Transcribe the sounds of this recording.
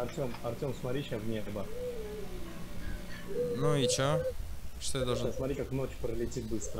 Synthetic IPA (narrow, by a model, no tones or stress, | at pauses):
ɐrt̪ʲomɐrtʲomsmɐtɾʲiʃjavnʲebə | nuit͡ɕaʂt̪ojad̪ɐlˠʐsmɐt̪ɾʲikakno̞t͡ɕpɾəlʲɪtʲit̪̚bɨst̪ɾə